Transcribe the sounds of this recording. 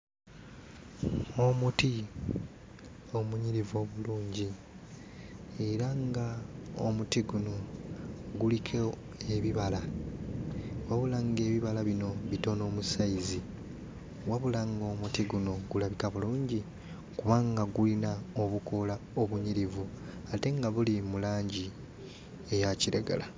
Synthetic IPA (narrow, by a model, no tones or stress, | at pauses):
o̞muti | o̞muɲiɾivo̞ːβuluːɲɟi | e̞ɾaŋɡao̰mutiɡuno̞ | ɡulikʰe | eβiβala | waβulaŋɡe̞ːβiβalaβino̞βito̞no̞ːmusaizi | waβulaŋɡo̞mutiɡunoɡulaβikaβuluːɲɟi | kuβaːŋɡaɡulinao̞βuko̞laoβuɲiɾivu | ate̞ŋɡaβulimulaːɲɟi | ejaciɾeɡa̰la